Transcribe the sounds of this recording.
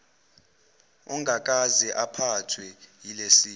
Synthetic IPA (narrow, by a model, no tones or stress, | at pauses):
uŋɡʱak̬ʼazɛʔapʰatʰwɛjilesiː